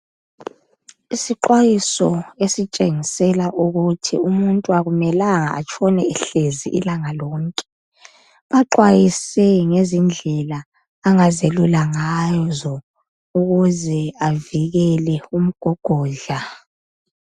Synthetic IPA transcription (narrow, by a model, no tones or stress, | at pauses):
isiǃwajisɔesit͡ʃʼeŋisɛlaʔuɣutʰḭumuntʼuaɣumɛlaŋaa̰t͡ʃʰʼɔnɛɛɬezḭʔḭlaŋalɔːŋkʼɛ̥ | βaǃwajisɛŋezind͡ɮʱɛlaː | ŋazelulaŋajzɔ | uɣuzɛaviɣɛlɛum̩ɡ̥ʱɔɡ̥ʱɔːɮa